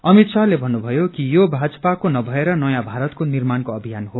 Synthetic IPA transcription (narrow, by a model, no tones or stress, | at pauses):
ʌmit̪salebʱʌnːubʱʌjokijobʱad͡zʌpakonʌbʱʌeɾʌnʌjãbʱaɾʌt̪konirmankoʌbʱijanho